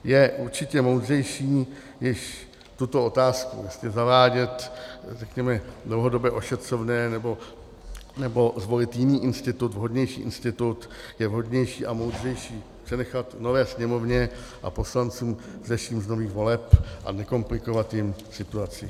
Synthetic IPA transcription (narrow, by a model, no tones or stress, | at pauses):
jɛʔuɾt͡ʃɪcɛmowd̪r̝ɛjʃiː | jɪʃ | t̪ut̪o̞o̞t̪aːskṵasɲɛzavaːɟɛt̪rɛkɲɛmɛdlowɦo̞do̞bjɛʔo̞ʃɛt̪r̝̥o̞vnɛːnɛbo̞ | nɛbo̞zvo̞lɪt̪jɪniːʔɪnst̪ɪt̪ut̪vɦo̞dɲɛjʃḭːʔɪ̰nst̪ɪt̪ut̪ | jɛvɦo̞d̪ɲɛjʃiːʔamowd̪r̝ɛjʃiːpr̥ɛnɛxat̪novɛːsɲɛmo̞vɲɛʔa̰po̞slant͡suːmzaʃiːmzno̞viːxvo̞lɛpʔa̰nɛko̞mplɪko̞vat̪jɪmsɪt̪uat͡sɪ